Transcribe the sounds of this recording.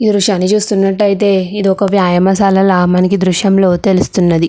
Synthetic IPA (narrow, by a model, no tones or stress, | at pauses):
id̪ɾuʂaːnːit͡ʃuːst̪unːɐʈːɐjit̪̬e̞ːid̪iɔkɐʋjaːjɐmɐsalɐlɐmɐnɐkid̪ɾuʂjɐmlo̞ːt̪e̞lust̪unːɐd̪i